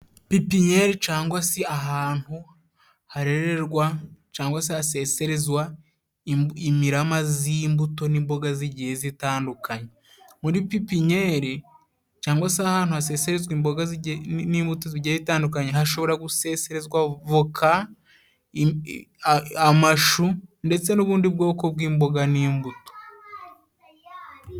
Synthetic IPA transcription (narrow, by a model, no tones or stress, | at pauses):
pipiɲeɾit͡ʃaːŋɡwaseaɦaːn̥hu | haɾe̞ɾeɾɡwat͡ʃaːŋɡwasehase̞ːseɾezwa | imiɾamaziːmbuto̞niːmbo̞ɡaziɟihezitaːndukʰaɲe | muɾipipiɲeːɾi | caːŋɡwasahaːn̥uase̞ːse̞ɾezwiːmbo̞ɡaziniːmbutoziɟihezitaːndukaɲeɦaʃo̞βo̞ɾaɡuse̞ːse̞ɾe̞zwavokʰa | amaʃunde̞t͡se̞nuβuːndib̚ɡo̞ːko̞bɡiːmbo̞ɡaniːmbuto̥